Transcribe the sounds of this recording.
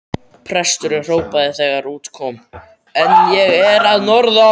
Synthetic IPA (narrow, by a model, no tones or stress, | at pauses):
pʰɾɛst̪ʏɾɪr̥oːwpaðɪθɛɣaɾuːt̪kʰɔːm | ɛnjɛɣɛɾaðnɔɾða